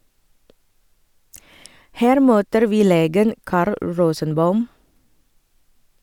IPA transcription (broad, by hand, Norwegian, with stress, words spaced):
ˈhæːɾ ˈmøːtəɾ ˈʋiː ˈleːɡən ˈkɑːɾl ˈɹoːsənˌbɑʉm